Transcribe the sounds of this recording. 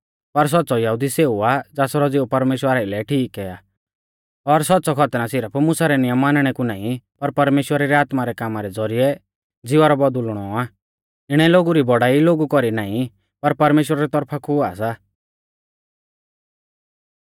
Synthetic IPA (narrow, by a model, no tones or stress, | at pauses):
pɐɾs̬ɔt̪ːsɔjɐɦud̪iseːuad͡zaːsɾɔd͡zeːupɐɾmeːʃwəɾailɛʈʰiːkɛa | ɔɾsɔt̪ːsɔkʰɔt̪nãsɪɾəpʰmʊsaɾɛnɪjəmːaːnɽ̃ɛkunaːĩpɐɾpɐɾmeːʃwəɾaɾɛaːt̪maɾɛkaːmaɾɛd͡zɔɾijɛ | d͡zɪʋaɾɔbɔd̪ulɽ̃ɔa | ɪɽ̃ɛloːɡuɾibɔɽaːiloːɡukɔɾinaːĩ | pɐɾpɐɾmeːʃwəɾaɾɛt̪ɔɾpʰakuasa